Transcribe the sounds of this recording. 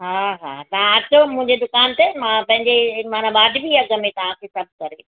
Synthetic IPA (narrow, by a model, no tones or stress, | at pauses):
ɦaːɦa̰ːt̪ɐɦãɐtomʊ̃ɪ̃ɲ̆d͡ʑed̪ʊkaːnt̪emãpɐ̃ɦɪ̃ɲd͡ʑemaːnaɓaːɖʱbiɐɡə̆mẽt̪ɐʋ̤ãkʰesɐb̚ʱkɐɾe